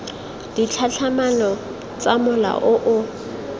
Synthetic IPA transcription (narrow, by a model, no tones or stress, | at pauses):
d̥it͡ɬʰaɬʰamanɔ | t͡sʼamʊla̰ʔʊʔʊ